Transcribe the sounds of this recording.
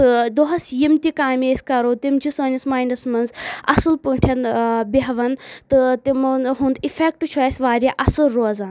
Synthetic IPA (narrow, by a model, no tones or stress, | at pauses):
ɨd̪oɦɐsjimt̪ikaːmʲeːsʲkɐɾoːt̪imd͡ʒʰisɐːnʲismaːjnɐsmɐnzɐ̰sɨlpuʈʰɐnbiɦɐʋɐnt̪ɨt̪imɦũnd̪ifʰek̚ʈut͡ʃʰɔesʲʋaːɾʲaʔɐsɨɾːoːzaːn